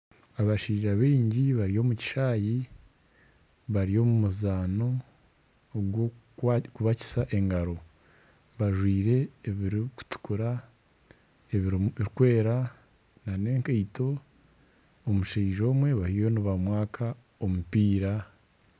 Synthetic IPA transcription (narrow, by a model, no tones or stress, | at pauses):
aβaʃiːʒaβiːɲɟiβaɾijo̞ːmuci̥ʃaːji | βaɾijo̞mumuzaːno̞ | ɡwo | kuβaci̥saʔe̞ŋɡaɾo̞ | βaʒwiːɾe̞ːβiɾiku̥tu̥kuɾa | eβiɾiiɾkwe̞ːɾa | nane̞ːŋkejto̞ | omuʃeʒo̞ːmwe̞βahijoniβamwaːkʰa | o̞mupiːɾa